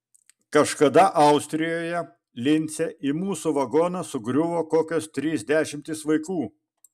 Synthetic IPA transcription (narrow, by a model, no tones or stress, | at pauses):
kɐʃkɐd̪ɐʔɐʊsʲt̪ʲɾʲɪjoːjɛ | lʲɪnʲt̪sʲɛʔimuːsuʋɐɡoːnɐsʊɡɾʲʊʋoːkoːkʲoːst̪ʲɾʲiːzʲd̪ʲæːʃʲɪmʲt̪ʲɪsʋɐɪkuː